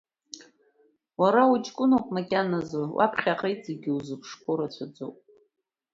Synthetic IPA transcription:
waɾaut͡ʃʼkʷʼʊnowpʼmakʲʼanazowʔa̰pʰχʲaqʼejt͡sʼeɡʲɪuzɨpʰʂkʷʰoɾat͡ɕʷʰad͡zʷowpʼ

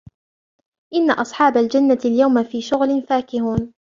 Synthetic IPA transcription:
ʔɪnːaʔɑsˤħɑːbald͡ʒanːaaljawmafiːʃʊɣlɪnfaːkɪhuːn

